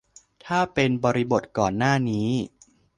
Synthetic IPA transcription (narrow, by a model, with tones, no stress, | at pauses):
t̪ʰaː˥˩pe˧nbɔː˧ɾi˦˥bo˨˩t̪̚kɔː˨˩nːaː˥˩niː˦˥